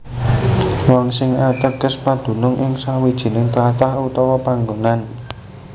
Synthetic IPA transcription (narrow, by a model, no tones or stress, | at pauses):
wɔŋsɪŋat̪əɡ̥əspad̪̥ṳnʊŋʔɪŋsawid̥ʒ̥i̤nɪŋt̪ɾat̪ahut̪ɔwɔpaŋɡonan